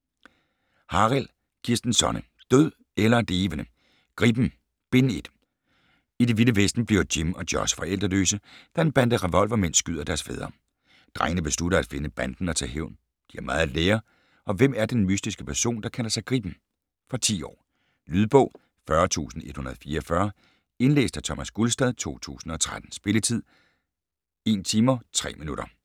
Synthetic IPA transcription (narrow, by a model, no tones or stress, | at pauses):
hɑ̈ʁæl | kʰiɐsd̥n̩sɒ̽nə | d̥øð̰ˠ | elɐd̥e̝ːʋənə | ɡ̥ʁib̥m̩ | b̥e̝ne̝d̥ | ide̝ʋiləʋesd̥n̩b̥liɐʊd̥imɒ̽d̥jɒsfɒ̽ʔel̰d̥ʁɐlø̰ːsəd̥ɑ̈enb̥æn̰d̥əʁɛʋɒ̽l̰ʋɐmen̰sːɡ̥yðˠɐd̥æɐsfḛːð̞ˠɐ | d̥ʁaɪnəb̥e̝sluɾɐæd̥fe̝nəb̥æn̰d̥n̩ɒ̽t͡sʰɛ̰ɦeʊn | d̥iæɐmɑ̈ːð̩ˠleːɐ | ʔɒ̽ʋem̰æɐd̥enmysd̥isɡ̥əpʰæɐso̝̰ːnd̥ɑ̈kʰæl̰ɐsɑ̈ɪɡ̥ʁḭːb̥m̩ | fɒt͡sʰḭːɒ̰ː | lyð̞ˠb̥ɔ̰̽ʊ̰ | fɶɐt͡sʰṵːsn̩e̝d̥hunɐð̩ˠfiːɐɒfɶɐ | e̝nlḛːsd̥æt͡sʰɒ̽mæsɡ̥ulsd̥ɛð̞ˠt͡sʰo̝̰ːt͡sʰṵːsn̩ɒ̽t͡sʰʁad̥n̩sb̥e̝lət͡sʰið̰ˠ | e̝̰nt͡sʰiːmɐt͡sʰʁɛ̰ːminuɾ̥ɐ